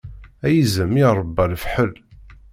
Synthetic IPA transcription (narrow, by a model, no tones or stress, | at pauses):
æjəzəmiɾˤəbːælfħəl